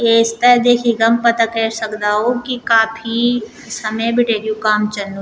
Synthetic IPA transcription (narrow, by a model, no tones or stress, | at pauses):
eːst̪ɐd̪eːkʰiɡɐmpɐt̪akɛːsɐkd̪aːɦokikaːpʰi | sɐməejbʱɪʈeːɾjũkaːmt͡ʃɐnːu